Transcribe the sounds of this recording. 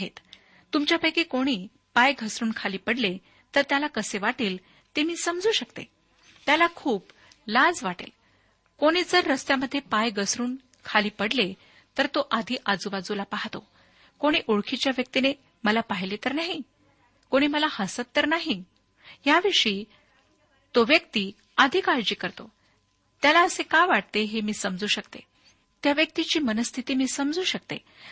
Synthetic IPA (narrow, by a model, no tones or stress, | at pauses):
ɦet̪ | t̪ːumt͡ɕjapəjkikoɽ̃iː | pajɡʱəsɾuːnkʰaliːpəɽle | t̪əɾt̪jalakəseʋaʈiːl | t̪emiːsəmd͡zuːɕəkt̪ḛ | t̪jalakʰuːp | lad͡zʋaʈḛl | koɽ̃iːd͡zəɾːəst̪jaməd̪ʱːjepajɡʱəsɾuːn | kʰaliːpəɽle | t̪əɾt̪oʔad̪ʱiːʔad͡zuʋad͡zulapaɦt̪o | koɽ̃iːʔuɭkʰit͡ɕjaʋjək̚t̪ine | məlapaɦilet̪əɾnaɦi | koɽ̃iːməlahəsət̪t̪ːəɾnaɦi | jaʋiʂiː | t̪oʋjəkt̪iː | əd̪ʱiːkaɾd͡ʑiːkəɾt̪o | t̪jalaəsekaʋaʈ̚t̪eɦemiːsəmd͡zuːɕəkt̪ḛ | t̪jaʋjək̚t̪it͡ɕiːmənəst̪ʰit̪iːmiːsəmd͡zuːɕək̚t̪e